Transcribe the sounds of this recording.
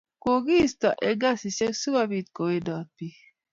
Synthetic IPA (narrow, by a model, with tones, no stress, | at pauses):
ko˨ɡi˦˨stɔ˨ʔe˨ɡa˦si˨se˦ksu˦ba˦bi˦˨t̚ko˨we˦dɔ˨t̚pi˦